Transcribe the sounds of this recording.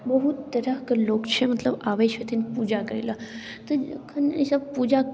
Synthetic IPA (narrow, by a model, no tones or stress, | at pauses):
bɐɦut̪ːɐɾəɦkɐloːkt͡ʃʰemɐt̪ləbaːʋeːʃət̪ʰinpuːd͡ʒakəɾḭla | t̪əkʰɐnisɐbpuːd͡ʒa